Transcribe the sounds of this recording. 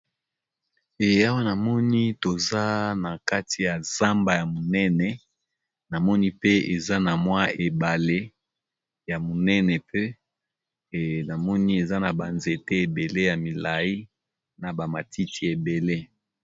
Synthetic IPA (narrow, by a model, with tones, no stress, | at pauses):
e˨a˦wa˦na˨mɔ˦ni˦to˨za˦na˨ka˦ti˨ja˨z̥a˦mba˨ja˨mo˨nɛ˦nɛ˨ | na˨mɔ˦ni˦pe˦e˨za˦na˨mwa˦e˨ba˨le˦ | ja˨mo˨nɛ˦nɛ˨pe˦˨ | na˨mɔ˦ni˦e˨za˦na˨ba˨nze˨te˦e˨be˨le˦ja˨mi˨la˨ji˦ | na˨ba˨ma˨ti˦ti˨e˨be˨le˦